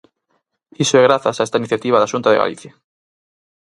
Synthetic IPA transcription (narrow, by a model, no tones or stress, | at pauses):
isoɛɣɾaθasaɛst̪ainiθjat̪iβaðaʃunt̪aðḛɣa̰lḭθja